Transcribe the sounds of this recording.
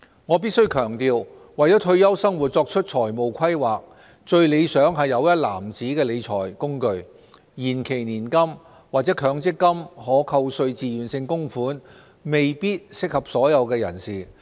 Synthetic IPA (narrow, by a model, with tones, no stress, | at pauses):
ŋɔː˨˧p̬iː˥t̚sɵ˥ɥkʰœː˨˩ŋt̪iː˧w | wɐ˨˩jɔː˨˥t̪ʰɵ˧ɥjɐ˥wsɐ˥ŋwu˨˩t̚t͡sɔː˧k̚t͡ʃʰɵ˥t̚t͡ʃʰɔː˨˩jmo˨wkʰɐ˥jwaː˨k̚ | t͡ʃɵ˧ɥle˨˧jsœː˨˥ŋɦɐ˨jːɐ˨˧wjɐ˥t̚laː˨˩mt͡siː˨˥kɛː˧le˨˧jt͡ʃʰɔː˨˩jkʊ˥ŋkɵ˧ɥ | jiː˨˩nkʰe˨˩jniː˨˩nkɐ˥m | waː˨k̚t͡sɛː˨˥kʰœː˨˧˥ŋt͡sɪ˥kːɐ˥mɦɔː˨˥kʰɐ˧wsɵ˧ɥt͡siː˨˧jyː˨˩nsɪ˧ŋkʊ˥ŋfuː˨˥n | me˨jpiː˥t̚sɪ˥k̚hɐ˨p̚sɔː˨˥jɐ˨˧wkɛː˧jɐ̰˨˩nsiː˨˩